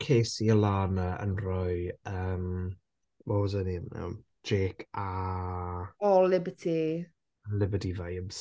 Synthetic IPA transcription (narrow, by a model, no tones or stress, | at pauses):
kʰeːsiəlˠaːnəə̰nrɔjɨəːm | wɔzənimnɛ̰w̥ | d͡ʒeːkʰa | ɔlɪbətʰi | lɪbədivajəbs